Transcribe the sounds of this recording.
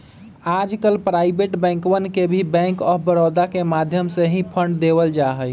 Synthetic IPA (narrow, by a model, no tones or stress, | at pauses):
ad͡ʒkəlpɾaibeʈbɛ̃ŋkwənkebʱibɛ̃ŋkəbəɾod̪akemad̪ʱjəmseɦĩpʰəɳɖd̪eβəld͡ʒaɦəj